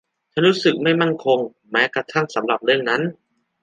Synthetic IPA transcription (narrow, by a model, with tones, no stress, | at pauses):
t͡ɕʰa˧˥˩nɾuː˦˥sɯ˨˩k̚ma˥˩jma˥˩nkʰo˧ŋ | mɛː˦˥kɾa˧t̪ʰa˥˩ŋsa˩˦mɾa˨˩p̚ɾɯ˥˩əŋna˦˥n